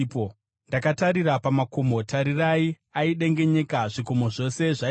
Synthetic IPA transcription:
ndakataɾiɾapamako̞motaɾirai | aiɗe̞ŋɡe̞ɲe̞kaʐikomoʐo̞se̞ʐa

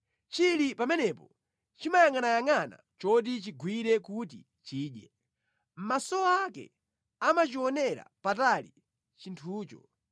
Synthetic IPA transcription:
t͡ʃilipamɛnɛpɔ | t͡ʃimajaŋanajaŋana̰t͡ʃɔdit͡ʃiɡwiɾɛkutḭ | t͡ʃiːɗjɛ | m̩masɔakɛ̰ | amat͡ʃiɔnɛɾa̰patali | t͡ʃintʰuːt͡ʃɔ̰

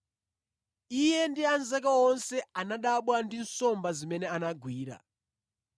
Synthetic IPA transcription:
ijɛndianzakawɔnsɛanaɗaɓwandinsɔmbazimɛnɛanaɡʱwiːɾa̰

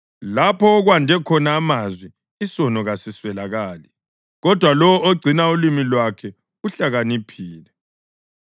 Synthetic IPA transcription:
lapʰɔːɣwandʱɛkʰɔnaːmazwi | isɔnɔɣasiswɛlaɣaːli | ɣɔd̥ʱwalɔwɔoɡ͡ǀʱinaulimilwakʰɛ | uɬaɣanipʰiːlɛ

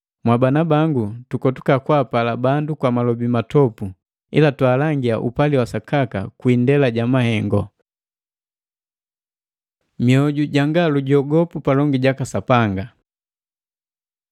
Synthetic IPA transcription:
mwabanabaŋɡutukɔtu̥kakwaːpalabandukwamalɔbimatɔpu | ḭlatwaːlaŋɡiaʔṵpaliwasakaka̰kwindɛlaɟamahɛŋɡɔ | miɔɟuɟaŋɡaluɟɔɡɔpupalɔŋɡiɟakasapaŋɡa

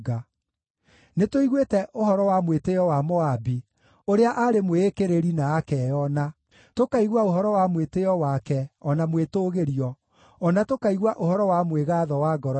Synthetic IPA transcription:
ɡa | netoiɣwetɛʔohɔɾɔwamwetejɔwamɔabi | oɾeaʔaɾemweːkeɾeɾinaːkɛjɔna | tokaiɣwaoɦɔɾɔwamwetejɔwakɛɔnamwetoːɣeɾiɔ | ɔnatokaiɣwaʔohɔɾɔwamweɣaːðɔwaːɡɔɾɔ

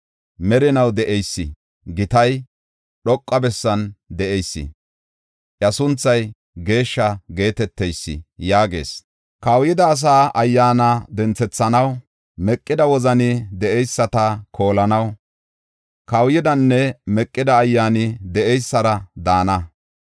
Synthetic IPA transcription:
mɛɾɪnɐwd̪ɛʔɛjsːɪ̰ | ɡɪt̪ɐj | ɗɔkʼːɐbɛsːɐnd̪ɛʔɛjsːɪ̰ | ʔjɐsʊnt͡sːɐj | ɡe̞ːʃːɐɡe̞ːt̪ɛt̪ːɛjsːɪ̰jaːɡe̞̰ːs | kɐwjɪd̪ɐːs̬aːʔɐjːaːnɐd̪ɛnt͡sɛt͡sːɐnɐw | mɛkʼːɪd̪ɐwɔzɐnɪd̪ɛʔɛjsːɐt̪ɐkʰo̞ːlɐnɐw | kɐwjɪd̪ɐnːɛmɛkʼːɪd̪ɐːjːaːnɪd̪ɛʔɛjsːɐɾɐd̪aːnɐ

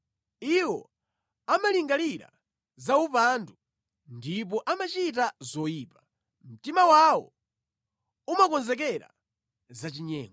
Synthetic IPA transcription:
iwɔ̰ | amaliŋɡaliɾa̰ | zaupandu | ndip̬ɔʔamat͡ʃit̬azɔjiːpḁ | m̩timawawɔ̰ | umakɔnzɛk̬ɛɾa̰ | zat͡ʃiɲɛːŋɡɔ

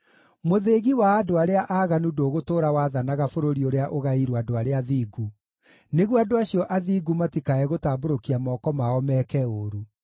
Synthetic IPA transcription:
moðeːɣiwaːdoaɾeaʔaɣanudoːɣotoːɾawaːðanaɣafoɾoɾioɾeaʔoɣaiɾoadoaɾeaðiːɡu | neɣwadoaɕiɔʔaðiːɡumatikaɛɣotaːboɾokiamɔːkɔmaɔmɛkɛoɾu

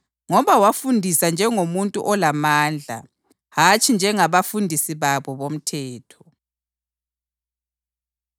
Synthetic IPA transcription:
ŋɔβawafundʱisand͡ʒʱɛŋomuntʼṵʔɔlamaːnd͡ɮʱa̰ | hat͡ʃʼind͡ʒʱɛŋaβafundʱisiβaβɔβom̩tʰɛːtʰɔ

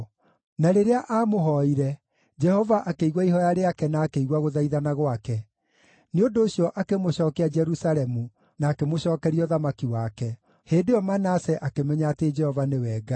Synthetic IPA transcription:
naɾeɾeaʔaːmoɦɔiɾɛ | d͡ʒɛhɔvaʔakeiɣwaihɔjaɾeakɛnaːkeiɣwaɣoðaiðanaɣwakɛ | neondoːɕjɔʔakemoɕɔːkɛad͡ʒɛɾusaɾɛmu | naːkemoɕɔːkɛɾiɔðamakiwakɛ | heːndejɔmanasɛʔakemɛɲaːted͡ʒɛhɔvanewɛɡa

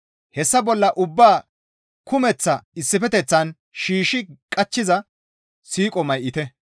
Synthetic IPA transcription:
hɛsːɐbɔlːɐʔʊbːaː | kʊmɛt͡sːɐɪsːɪfɛt̪ɛt͡sːɐn | ʃiːʃɪkʼɐt͡ʃːɪzɐ | siːkʼɔmɐjʔɪt̪ɛ

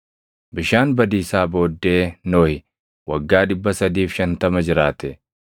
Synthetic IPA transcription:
bɪʃaːnbɐd̪iːsaːbo̞ːd̪ːe̞ːnoːhɪ | wɐɡːaːᶑɪbːɐsɐd̪iːfʃɐnt̪ɐmɐd͡ʒɪɾaːt̪ɛ

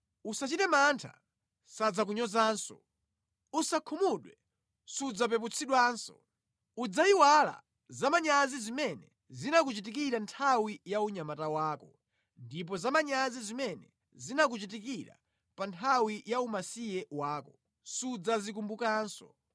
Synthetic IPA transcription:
usat͡ʃitɛmantʰa̰ | sad͡zak̬uɲɔzaːnsɔ̰ | usakʰumuɗwɛ | sud͡zap̬ɛp̬ut͡sʰiɗwaːnsɔ̰ | ud͡zaiwala̰ | zamaɲazizimɛnɛ | zinakut͡ʃit̬ikiɾantʰawijauɲamatawaːkɔ | ndip̬ɔzamaɲazizimɛnɛ̰ | zinak̬ut͡ʃit̬ikiɾa̰ | pantʰawijaumasijɛwaːkɔ | sud͡zazik̬umbukaːnsɔ̰

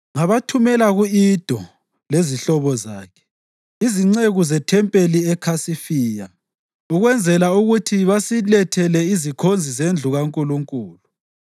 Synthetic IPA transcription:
ŋaβatʰumɛlaɣuid̥ʱɔ | leziɬɔβɔza̰ːkʰɛ̥ | iziŋ͡ǀeɣuzɛtʰɛmpʼeliɛkʰasifiːja | uɣwɛnd͡zʱɛlauɣutʰiβasilɛtʰɛlɛizikʰond͡zʱizend͡ɮʱuɣaŋkʼuluŋkʼuːlu

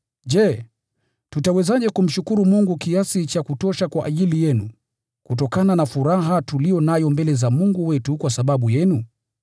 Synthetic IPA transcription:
ʄɛ | tutawɛzaʄɛkum̩ʃukuɾumuŋɡukiasit͡ʃakutɔʃakwaʔaʄilijɛnu | kut̬ɔkananafuɾaɦatulijɔnajɔmbɛlɛzamuŋɡuwɛtukwasaɓaɓujɛnu

